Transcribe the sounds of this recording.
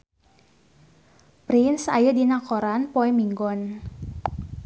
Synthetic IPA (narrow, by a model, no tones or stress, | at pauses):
pɾinsa̰jədinakɔɾanpɔɛmiŋɡɔn